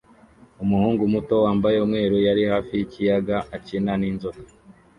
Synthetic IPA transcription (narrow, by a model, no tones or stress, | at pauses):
umuhuːŋɡumuto̞waːmbajeumŋe̞ːɾujaɾihaːfijicijaɡaʔacinaniːnzoto̥